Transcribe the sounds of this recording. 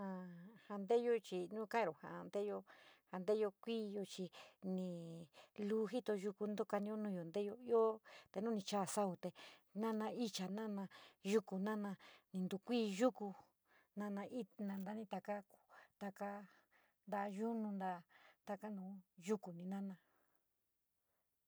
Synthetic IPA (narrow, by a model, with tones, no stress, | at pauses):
ã˧ha˧nd̪e˦jo˦t͡ʃi˧nũ˦kã˦˧ɾo˨ha̰˨˧nd̪e˦jo˧ha˧nd̪e˦jo˧kʷiː˦jo˧t͡ʃi˧nĩ˧luː˦ɦi˦t̪o˧ʒu˧ku˧nd̪o˦ka˧nĩ˧˦o˦nũː˧jo˨nd̪e˦jo˧jo˦t̪e˧nũ˦nĩ˧t͡ʃa˦˨sa˦u˨t̪e˧nã˦nã˧i˦t͡ʃa˨nã˦nã˧ʒu˦ku˧nã˦nã˧nĩ˧nd̪u˧kʷiː˦ʒu˦ku˧ | nã˧nã˧ʔi˦nã˧nd̪a˧˦nĩ˧t̪a˧ka˦ku̥˨t̪a˧ka˧ | nd̪a˧ʒu˦nũ˧nd̪a˧t̪a˧ka˦nũː˧˦ʒu˦ku˨nĩ˧nã˦nã˧